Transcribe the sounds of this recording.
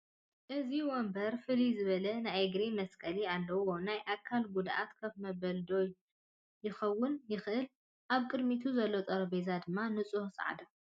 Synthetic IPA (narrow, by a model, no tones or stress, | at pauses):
ʔɨziwɔmbɐɾfɨlizɨβɐlɐnajeɡɾimɐskʼɐlialːɐwo̞najʔakʰːalɡud̪ʔa̰t̪kʰɐfmɐbɐld̪o̞ | jɪxɐwːʊnjɪxʔɨl | ʔaβkʼɨd̪mit̪ʰuzɐlːot̪ʼɐɾɐbezad̪ɨmːanɨt͡sʼuhsʼa̰ʕ̰d̪ɐ